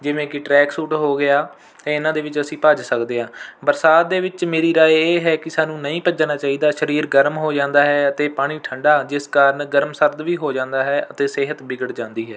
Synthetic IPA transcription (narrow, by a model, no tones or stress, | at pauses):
d͡ʒɪʋẽːkɪʈɾɛːksuːʈɦoːɡɪaː | t̪eːɪnãːd̪eːʋɪt͡ʃəsĩːpəd͡ʒsəkd̪eːɦãːbəɾsaːt̪̚d̪eːʋɪt͡ʃmeːɾiːɾaːeeːɦɛːkɪsaːnũːnəĩːpəd͡ʒnaːt͡ʃaːiːd̪aːʃəɾiːɾɡəɾmɦoːd͡ʒãːnd̪aːɦɛːət̪eːpaːɽ̃iːʈʰəɳɖaːd͡ʒɪskaːɾənɡəɾmsəɾd̪ʋiːɦoːd͡ʒãːnd̪aːɦɛːʔət̪eːsɪːɦət̪bɪɡəɽd͡ʒãːnd̪iːɦɛː